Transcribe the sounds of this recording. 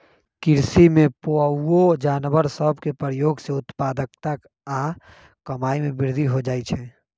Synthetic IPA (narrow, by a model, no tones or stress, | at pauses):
kɪɾsimẽpoəod͡ʒaːnʋəɾsəbʱkepɾəjoːɡseʊt̪paːd̪əkt̪ak | a | kəmaːimẽbɪɾd̪ʱiɦod͡ʒaːit͡ʃʰɛː